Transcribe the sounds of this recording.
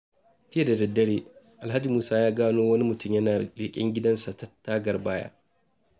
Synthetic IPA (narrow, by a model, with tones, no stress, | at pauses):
t͡ʃɪ˦e˨da˨dɐ˨dːɐ˦ɽeː˦ | ʔa˨lɦa˦d͡ʒi˨muː˦saː˦jaː˦ɡaː˦noː˦wɐ˦ni˦mʊ˨tʊ˦mjɐ˦naː˨leː˨kʲʼɪ̰˦ŋɡʲɪ˦dɐ˦nsa˨ta˦tːaː˦ɡɐ˨rbaː˦ja̰ː˦